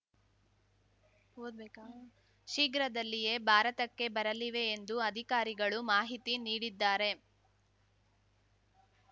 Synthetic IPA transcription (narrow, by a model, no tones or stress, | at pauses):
o | ʃiɡɾɐd̪ɐlːije̞bʱaːɾɐt̪ɐkːe̞bɐɾɐliʋe̞ːnd̪uɐd̪ʱikaːɾiɡɐɭumaːɦit̪iniːɽid̪ːaːɾe̞